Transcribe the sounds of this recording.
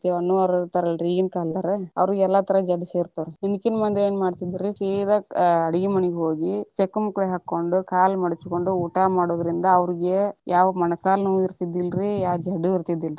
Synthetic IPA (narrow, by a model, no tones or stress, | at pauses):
t̪eɐnːuɐɾɐt̪ɐɾɐlɾiːɡinkaːlt̪aɾeɐ̰ʋɾiɡɛlːɐt̪ɐɾɐd͡ʒɐɖseːɾt̪aːɾeninukːinmɐnd̪eːnmaːɖt̪id̪iɾisiːɾɐɐɽiɡimɐniɡɦoːɡit͡ʃekːɐmukːɭeɦakːo̞ɳɖukaːlmɐɽit͡ʃuko̞ɳɖuuːʈamaːɽoːd̪ɐɾind̪ɐːʋɾiɡe̞jʔaːʋɐmɐnɐkaːlnɐʋiɾt̪id̪ilɾijaːd͡ʒɐɖuiɾt̪id̪ːilɾi